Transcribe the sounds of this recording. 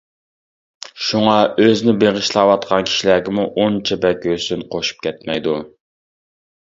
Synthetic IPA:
ʃuŋɑøzɪnɪbeʁɨʃlˠɑwɑt̪̚qʰɑnkʲʰi̥ʃilæɡʲɪmuʔont͡ʃʰɛbɛkʲøsynqʰoʃu̥p̚kʲʰɛt̪mɛjd̪u

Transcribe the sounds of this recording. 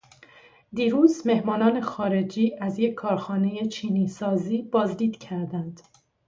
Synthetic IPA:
d̪iːɾuːzme̞hmɒːnɒːne̞xɒːɾe̞d͡ʒiːʔæzje̞cʰːɒːɾxɒːne̞je̞t͡ʃʰiːniːsɒːziːbɒːzd̪iːd̪̥cʰæɾd̪ænd̪̥

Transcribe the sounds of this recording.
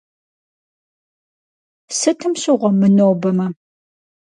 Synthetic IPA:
sɨtʰɨmɕɪʁʷɐmɨnoːbɐmɐ

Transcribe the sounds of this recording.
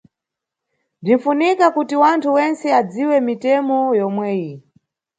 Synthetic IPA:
dinfunikakutiwantʰuwɛnt͡sɛad͡ziwɛmitɛmɔjɔmwɛːji

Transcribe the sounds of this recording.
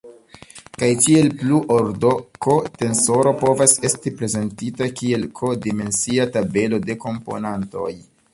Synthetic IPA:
kajkie̞lpluʔoɾdo̞ko̞te̞nso̞ɾo̞po̞vase̞stipɾe̞ze̞ntitakie̞lkʰo̞dime̞nsiatabe̞lo̞de̞ko̞mpo̞̰nanto̞̰j

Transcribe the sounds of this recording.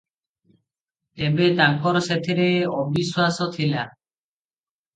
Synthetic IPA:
t̪ebet̪aŋkɔɾset̪ʰiɾeɔbiswasot̪ʰila

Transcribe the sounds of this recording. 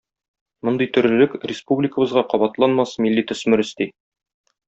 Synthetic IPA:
mond̪ɤjt̪ɵ̆ɾlɘ̆lɘkrʲɪspublʲɪkə̆bɤ̆zʁɑqɒbɑt̪lˠɑnmɑsmilːit̪ɵ̆smɵ̆ɾɵ̆st̪i

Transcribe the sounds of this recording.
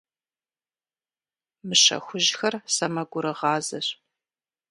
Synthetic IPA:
mɨɕɐ̰xʷʊʑxɐrsɐmɐɡʷʊɾɨʁɑːzɐɕ

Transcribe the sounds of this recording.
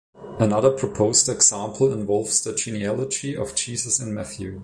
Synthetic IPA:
ənʌðə˞pʰɹ̥ɔpʰoʊztɛɡsãmpʰl̩ˠɪ̃nvɔlˠvsðəd͡ʒiniælˠəd͡ʒiɔ̰vd͡ʒizəsɨ̃nmɛθjʉ

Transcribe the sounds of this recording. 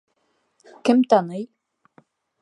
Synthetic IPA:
kɘmt̪ɑnɤj

